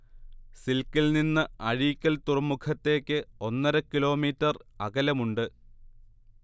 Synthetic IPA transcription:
silkːilninːɨɐɻiːkʲːɐlt̪urɐmːukʰɐt̪ːe̞ːkːɨo̞nːɐɾɐkːilo̞ːmiːtːɐrɐɣɐlɐmuɳɖɨ

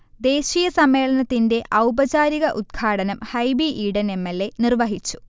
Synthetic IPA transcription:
d̪e̞ːɕijɐsɐmːe̞ːɭɐnɐt̪ːinde̞ʔɐwbɐt͡ɕaːɾiɣɐʔud̪̚ɡʰʱaːɽɐnɐmhɐjbiʔiːɽɐne̞mːelːe̞nirʋɐɦit͡ɕːu̥

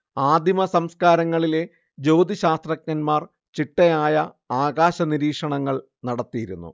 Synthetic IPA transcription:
aːd̪imɐsɐmskaːɾɐŋːɐɭile̞ | d͡ʑo̞ːd̪iɕaːst̪rɐknɐnmaːr | t͡ɕiʈːɐjaːjɐ | aːɡaːɕɐniɾiːkʂɐɳɐŋːɐɭ | nɐɽɐt̪ːijiɾṵnːṵ

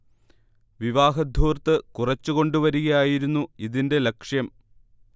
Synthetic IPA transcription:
ʋiʋaːɦɐd̪ʱuːrt̪ːɨkurɐt͡ɕːuko̞ɳɖuʋɐɾuɣɐjaːjiɾunːuiðinde̞lekʂjɐm

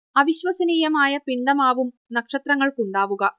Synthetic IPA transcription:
ɐʋiɕʋɐsɐniːjɐmaːjɐpiɳɖɐmaːʋum | nɐkʂɐt̪rɐŋːɐɭkuɳɖaːʋuɣɐ

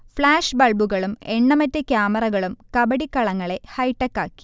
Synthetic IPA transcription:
fɭaːʂbɐɭbuɣɐɭumeɳːɐmɐtːekjaːmɐrɐɣɐɭumkɐbɐɽikːɐɭɐŋːɐɭe̞hɐjʈːɐkːaːkːi̥

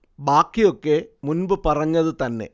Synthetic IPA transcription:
baːkːijo̞kːe̞munbɨpɐrɐɲːɐðɨt̪ɐnːe̞̰

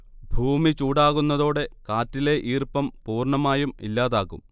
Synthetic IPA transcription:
bʱuːmit͡ɕuːɽaːɣunːɐðo̞ːɽe̞kaːtːile̞ʔiːrpɐmpuːrɳɐmaːjumḭlːaːðaːɣṵm

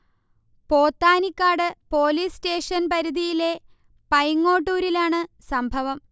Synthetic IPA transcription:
po̞ːt̪ːaːnikːaːɽɨpo̞ːliːste̞ːʂɐnpɐɾuðijile̞ | pɐjŋːo̞ːʈːuːɾilaːɳɨsɐmbʱɐʋɐm

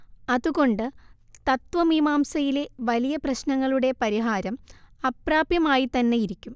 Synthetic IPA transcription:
ɐðuɣo̞ɳɖɨt̪ɐt̪ʋɐmimaːmsɐjileʋɐlijɐprɐɕnɐŋːɐɭuɽe̞pɐɾiɦaːɾɐmɐpraːbjɐmaːjit̪ɐnːe̞jiɾikʲːum

